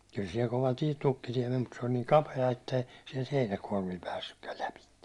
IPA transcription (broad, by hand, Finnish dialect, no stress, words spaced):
kyl siɛl koʋɑ tie tukːitie men mut se olʲ niːŋ kɑpeɑ etːei siɛlt heinækuɒrmil pæːsːykːæl læpitːe